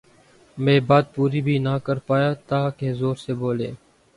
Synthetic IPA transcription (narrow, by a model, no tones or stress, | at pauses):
mẽːbaːd̪̚puːɾiːbʱiːnaːkəɾpaːjaːt̪aːkeːzoːɾseːboːleː